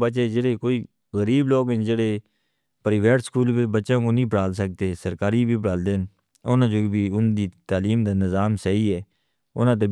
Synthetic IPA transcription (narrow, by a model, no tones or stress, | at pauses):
bət͡ʃeːd͡ʒeɽeːkoːiː | ɣəɾiːbloːɡɪnd͡ʒeːɽeː | pəɾɪːʋeːʈskuːlpeːbətːʃãːkõːnĩːpəɽaːls̬ək̚d̪eːsəɾkaːɾiːbʱiːbəɽaːld̪en | ʊnãːd͡ʒoːbiːʊnd̪iːt̪aːliːmd̪aːnɪzaːmsəiːɛː | ʊ̰nãːt̪̬eː